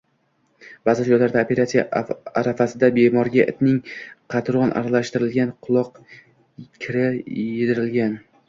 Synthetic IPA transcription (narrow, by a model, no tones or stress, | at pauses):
b̥aːzɪt̪ʰʊjalaɾd̪aopʲe̞ɾat̪sijaaɾafasɪd̪abe̞mɒɾɡʲaʔɪt̪nɪŋqʰɑt̪ɾɒnʔa̰ɾalaʃt̪ɪɾɪlɡʲanqʰʊlˠɒq | kʲʰɪɾɪed̪ɪɾɪlɡʲan